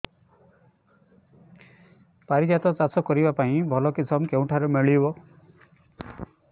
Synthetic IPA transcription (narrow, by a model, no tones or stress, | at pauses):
paɾid͡ʒat̪ɔt͡ʃasɔkɔɾibapaĩbʱɔlɔkisʰɔmkeũʈʰaɾemeɭibɔ